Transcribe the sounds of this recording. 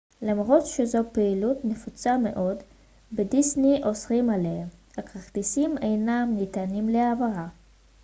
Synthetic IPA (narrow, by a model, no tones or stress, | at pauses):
lamʁo̞tʃezo̞peilutnefut͡same̞̰ʔo̞d | bedisniʔo̞sʁimaleahakaχt̪isimejnamnitanimleavaʁa